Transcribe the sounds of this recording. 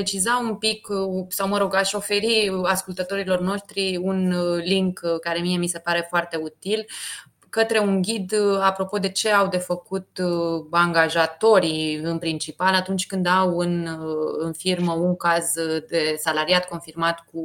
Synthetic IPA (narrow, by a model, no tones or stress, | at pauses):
et͡ʃizaumpiksawməɾoɡaʃo̞fe̞ɾiaskult̪ət̪o̞ɾilo̞rno̞ʃt̪ɾiunliŋkkaɾe̞mie̞mise̞paɾe̞foart̪e̞ut̪il | kət̪ɾe̞uŋɡʲid̪apɾo̞po̞d̪e̞t͡ʃe̞awd̪e̞fəkut̪aŋɡaʒat̪o̞ɾiɨnpɾint͡ʃipalat̪unt͡ʃʲkɨnd̪awɨnɨnfirməuŋkazd̪e̞salaɾiat̪̚ko̞nfirmat̪ku